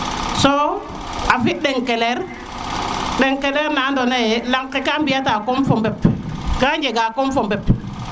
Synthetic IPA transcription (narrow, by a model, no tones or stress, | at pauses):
so | afiɗeŋkeleɾ | ɗeŋkeleɾnandonajelaŋkːekambijatakɔmfɔmbɛpkaɲd͡ʒeɡakɔmfɔmbɛp